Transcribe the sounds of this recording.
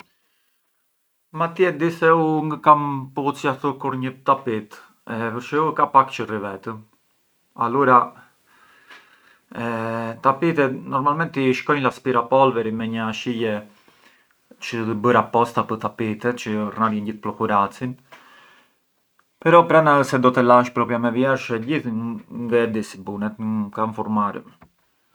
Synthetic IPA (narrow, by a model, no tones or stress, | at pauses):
mat̪jɛd̪isɛuŋɡəkamput͡siat̪əkuɾɲət̪apit̪ | ɛpəɾʃɛukapakt͡ʃərivɛt̪ə | aluɾa | t̪apit̪ɛnɔɾmalmɛnt̪iʃkɔjnlaspiɾapɔlvɛɾimɛɲəaʃijɛ | t͡ʃət̪əbəɾapɔst̪apət̪apit̪ɛt͡ʃərnaɾjɛnɟiθplɔkuɾat͡sin | pɛɾɔpɾanaəsɛd̪ɔt̪ɛlaʃpɾɔpjamɛvjɛɾʃɛɟiθnðɛd̪isibunɛt̪kaɱfɔɾmaɾə̰